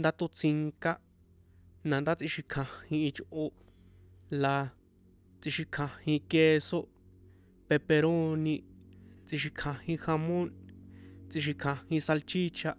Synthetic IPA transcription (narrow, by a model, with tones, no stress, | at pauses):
nd̪a˧t̪o˧t͡si˧ŋka˦ʔ | nã˨nd̪a˦t͡sĩ˧ʃi˧kʰã˧hĩ˧i˧t͡ʃʔo˧ | la˧ | t͡si˧ʃi˧kʰã˧hĩ˧ke˧so˦ | pe˧pe˧ɾo˦nĩ˧t͡si˧ʃi˧kʰã˧hĩ˧xa˧mõ˦n | t͡si˧ʃ̬i˧kʰã˧hĩ˧sa˧lt͡ʃi˦t͡ʃʰa˧ʔ